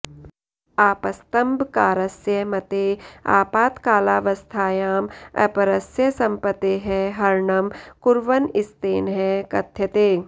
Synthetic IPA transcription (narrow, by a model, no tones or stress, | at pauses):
aːpɐst̪ɐmbʱkaːɾɐsjɐmɐt̪eːa̰ːpaːt̪kaːlaːʋɐst̪ʰaːjaːmɐ̰pɐɾɐsjɐsɐ̃mpɐt̪eɦɛɦɐɾɳɐmkʊɾʋɐnɪst̪eːnɦɛkɐt̪ʰːjɐt̪eː